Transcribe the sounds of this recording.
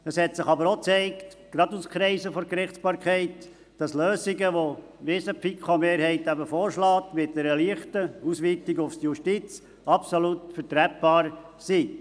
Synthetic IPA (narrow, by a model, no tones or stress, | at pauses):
əshɛtsɪχɑbəɾot͡sɛɪkt | ɡ̥ɾɑduskχɾɛɪsəfɔɾkɾɪχspɑːɾkʰɛɪt | d̥ɑsløːsiɡəʋo | ʋɪsəpikʰomeːɾhɛɪtæbəfoːɾʃlɑːtmɪt̚d̥ɛɾəliəχtəusʋitɪɡʊfsjuʃtit͡s | ɑpsolutfəɾtɾɛp̚b̥ɑːɾsi